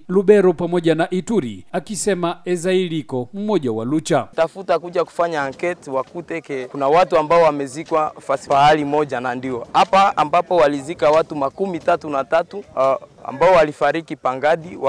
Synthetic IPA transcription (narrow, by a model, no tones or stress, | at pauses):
luɓɛɾɔpamɔʄanaʔituɾḭakisɛmaɛzailikɔmumɔʄawa̰lut͡ʃatafutakuʄaku̥faɲaːŋkɛtwakutɛkɛkunawatuambaɔwamɛzikwafasi̥faalimɔʄanandiɔapaːmbapɔwalizikawatumakumitatunatatua̰mbaɔwalifaɾikipaŋɡaɗiwa